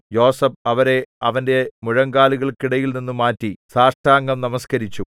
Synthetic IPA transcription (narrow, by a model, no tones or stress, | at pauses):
jo̞ːsɐbɐʋɐɾe̞ɐʋɐnde̞muɻɐŋɡaːluɣɐɭkiɽɐjilninːumaːtːisaːʂʈaːŋɡɐmnɐmɐskɐɾit͡ɕːu